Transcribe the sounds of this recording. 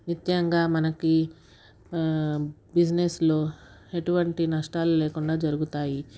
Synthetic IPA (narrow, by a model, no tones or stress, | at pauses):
nit̪jɐŋɡaːmɐnɐki | bid͡ʒneslo̞ː | e̞ʈuʋɐɳʈinɐʂʈaːluleːkuɳɖaːd͡ʒɐɾuɡut̪aːji